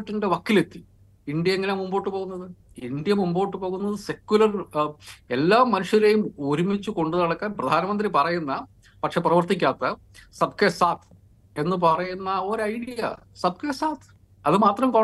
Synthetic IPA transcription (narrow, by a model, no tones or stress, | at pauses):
ʈːinde̞ʋɐkːile̞t̪ːi | iɳɖijɐeŋːɐnemumboːʈːɨpo̞ːɣunːɐðɨ | iɳd̪jɐmumboːʈːɨpo̞ːɣunːɐðɨse̞kʲːulɐr | elːaːmːɐnuʂjɐɾejumoɾumit͡ɕːuko̞ɳɖɨnɐɽɐkːaːnprɐd̪ʱaːnɐmɐnd̪ripɐrɐjunːɐ | pɐʈʂe̞ːprɐʋɐrt̪ikʲːaːt̪ːɐ | sɐb̚kesaːt̪ʰ | e̞nːɨp̬ɐrɐjunːɐoɾɐjɽijɐ̰ | sɐb̚kesaːt̪ʰ | ɐðɨmaːt̪rɐmpɐ